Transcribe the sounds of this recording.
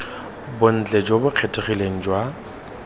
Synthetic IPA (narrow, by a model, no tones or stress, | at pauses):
bʊn̩t͡ɬʼed͡ʒobʊq͡χʰetʰʼɪχileŋ̩d͡ʒwa